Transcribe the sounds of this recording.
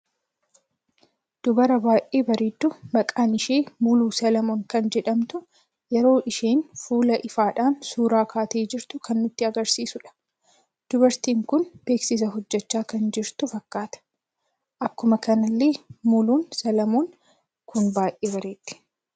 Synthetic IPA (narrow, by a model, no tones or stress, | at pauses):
d̪̥ʊbɐɾɐbaːʔeːbɐɾeːd̪ːʊmɐkʼaːnɪʃeːmʊluːsɐlɐmoːŋkɐnd͡ʒɛᶑɐmt̪ʊ | jɛɾo̞ːʔɪʃeːnfuːlɐʔɪfaːᶑaːnsuːɾaːkaːt̪e̞ːd͡ʒɪɾt̪ʊkɐnːʊt̪ːɪɐɡɐɾsiːsʊᶑɐ̥ | d̪̥ʊbɐɾt̪iːŋkʊnb̥eːksɪs̬ɐɦɔd͡ʒːɛt͡ʃːaːkɐnd͡ʒɪɾt̪ʊfɐkːaːt̪ɐ̥ | ʔɐkːʊmɐkɐnɐlːeːmʊluːnsɐlɐmoːŋ | kʊnbaːʔeːbɐɾeːt̪ːɪ̥